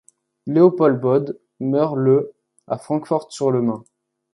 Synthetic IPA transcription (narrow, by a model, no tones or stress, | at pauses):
leopɔlbɔd̪ | mœʁlə | afχɑ̃kfɔʁt̪syʁləmɛ̃